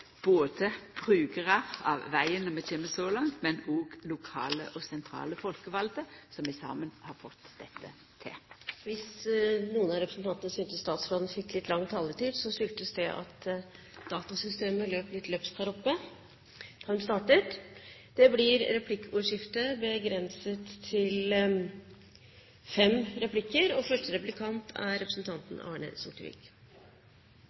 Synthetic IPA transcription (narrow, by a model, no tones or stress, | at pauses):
b̥oːd̪əb̥ʁʉːɡəʁɑʁɑ̰ʋʋæɪənɔmɛt̪ʰeːməsɔlɑŋt̪mɛnɔːɡlʊkʰɑ̰ːlə̰ʔɔsɛnt̪ʰɾɑ̰ːləfɔlkəʋɑld̪əsɔmʋɪsɑ̰ːmənhɑɾfɔt̪ːd̪ɛt̪ʰːə | t̪ʰɪ̰lʋɪsnuːənɑɾɛpɾəsn̩t̪ɑnt̪ənəsʏnt̪əst̪ɑːt̪sfloːd̪nəfɪkːlɪt̪ːlɑŋːt̪ʰɑːləʈ̪iːd̪sɔsʏlt̪əsd̪ɛʔɑ̰t̪ | d̪̥ɑːt̪ɑsʏst̪eːməløːplɪt̪løːpst̪ʰɑɾɔpːə | d̪̥ɑhʉnst̪ɑːʈət̪d̪̥ɛblɪɾɾɛpʰlɪkːuːʂɪft̪əbəɡɾɛnsət̪ʰːɪl | fɛmɾɛpʰlɪkːəɾɔfœʂʈəɾɛplɪkʰɑnt̪ʰæ̰ɾɾɛpɾəsn̩t̪ʰɑnt̪n̩ɑ̰ːɳə̰sʊʈəʋɪ̰ːk